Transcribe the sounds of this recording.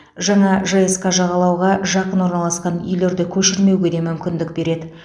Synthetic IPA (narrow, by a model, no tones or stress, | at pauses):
ʒɑɴɑʒɑjeskɑʒɑʁɑlˠɑwʁɑʒɑqənwo̞ɾnɑlˠɑsqɑnʏ̰jle̞ɾd̪ɪkʲʰɵʃɪɾme̞wɡʲe̞d̪e̞mʏmkʲɪnd̪ɪk̚be̞ɾe̞d̪ɪ